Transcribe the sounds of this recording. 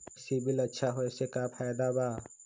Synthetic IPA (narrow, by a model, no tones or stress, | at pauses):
sibɪlɐtːʃʰaɦoesekapʰajd̪abaː